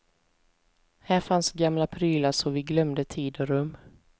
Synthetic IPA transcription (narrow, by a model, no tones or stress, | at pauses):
hæːɾfansɡamlapʰɾyːlaʂɔvɪɡlœmd̪ət̪ʰiːd̪ɔɾɵmː